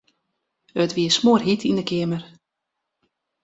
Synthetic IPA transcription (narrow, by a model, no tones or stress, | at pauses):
ətʋiəsmoərɦitʰindəkʰɪəmər